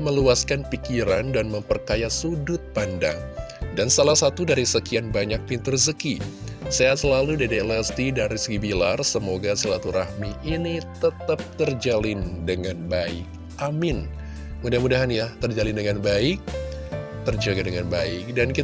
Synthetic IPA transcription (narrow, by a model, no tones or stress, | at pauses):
məluaskanpikiɾandanməmpərkajasudʊt̪̚panda̰ŋdansalahsat̪udaɾisəkianbaɲak̚pint̪ərsəkisajasəlaludadeɛlɛst̪idaɾisəɡibila̰rsəmoɡasilat̪uɾahmiʔinit̪ət̪əp̚t̪ərd͡ʒalɪndəŋanbaɪ̰k̚ | ʔamɪn | mudahmudaɦanjat̪ərd͡ʒalɪndəŋanbaɪk̚ | t̪ərd͡ʒaɡadəŋanbaɪk̚danki